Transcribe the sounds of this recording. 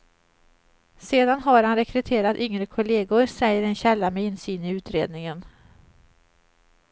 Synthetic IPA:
seːd̪anɦaɾhanɾɛkʰɾɛt̪ʰeːɾat̪ʏŋɾəkʰʊleːɡʊɾsɛjːəɾɛnɕɛlːamɛɪnsyːnɪʉ̟ːt̪ɾḛːd̪nɪŋən

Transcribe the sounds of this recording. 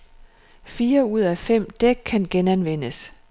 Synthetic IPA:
fiːɐuð̞̰ˠæfem̰d̥eɡ̥̚kʰːænɡ̥enænʋen̰əs

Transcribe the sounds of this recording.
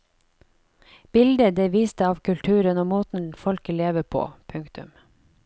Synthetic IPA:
b̥ɪld̪əd̪eːʋiːst̪əɑːʋkʰʉlt̪ʰʉːɾənoːmoːt̪n̩fɔlkəleːʋəpʰo̰ːpʰʉŋkt̪ʉ̰m

